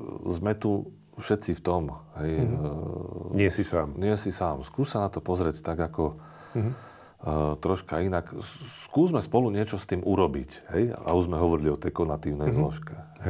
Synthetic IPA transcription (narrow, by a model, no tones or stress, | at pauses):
zmɛt̪u | fʃɛt̪t͡sift̪ɔmɦɛj | ɲɪɛsisaːmɲɪɛsisaːmskuːssanat̪ɔpɔzɾɛct̪aɡakɔ | t̪ɾɔʃkainakskuːzmɛspɔluɲɪɛt͡ʃɔst̪iːmʔuɾɔbicɦɛj̰ʔa̰uʒzmɛɦɔʋɔɾiliɔt̪ɛjkɔnat̪iːʊnɛjzlɔʃkɛ